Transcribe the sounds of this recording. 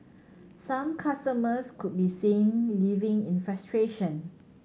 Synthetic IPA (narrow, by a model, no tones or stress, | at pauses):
sãmkʰastəməskud̚bisĩnlivɪ̃ŋĩnfɛstɹeʃə̃n